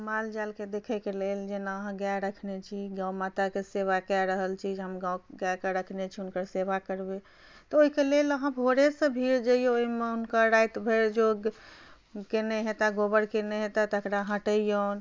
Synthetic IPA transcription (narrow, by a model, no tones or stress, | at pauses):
mald͡ʒalked̪ekʰɛkeleld͡ʒenaəɦãɡaɾəkʰnet͡ʃʰiɡãwmat̪akeseβakɛɾəɦəlt͡ʃʰid͡ʒɦəmɡãwɡakeɾəkʰnet͡ʃʰiunkəɾsebakəɾbe | t̪ɔoɦikeleləɦãbʱoɾesə̃bʱiɾd͡ʒeijooimeunkəɾajt̪bʱeɾd͡ʒoɡ | keneɦet̪aɡobəɽkeneɦet̪at̪əkɾaɦə̃ʈəijon